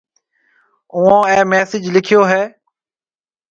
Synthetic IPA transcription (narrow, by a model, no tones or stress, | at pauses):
ʊːãːẽːmɛːsɪd͡ʒlɪkʰɪjoːɦɛː